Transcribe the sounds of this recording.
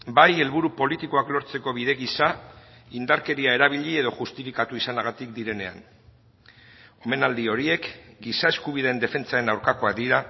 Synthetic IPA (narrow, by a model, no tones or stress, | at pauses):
baje̞lβuɾupo̞lit̪iko̞aklo̞ɾt͡se̞ko̞β̞iðe̞ɣisaind̪aɾke̞ɾiae̞ɾaβ̞iʎie̞ðo̞ʝust̪ifikat̪uisanaɣat̪ikd̪iɾe̞ne̞̰a̰n | o̞me̞nald̪io̞ɾie̞kɡisae̞skuβ̞iðeend̪e̞fe̞nt͡sae̞nawɾkako̞ak̚d̪iɾa